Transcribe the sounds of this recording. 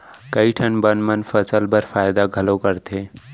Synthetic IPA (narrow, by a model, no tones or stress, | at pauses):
kɐiʈʰɐnbənmənfɐsəlbəɾfaːjd̪aɡʱɐlokɐɾt̪ʰeː